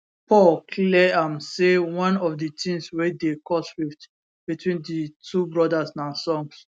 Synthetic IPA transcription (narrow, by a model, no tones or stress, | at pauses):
pʰɔlkʰlɛãmsewɔ̃nɔfdətĩŋswedekʰɔsɹift | b̥itʰwĩnditʰubɹɔdasnãnsɔ̃ŋs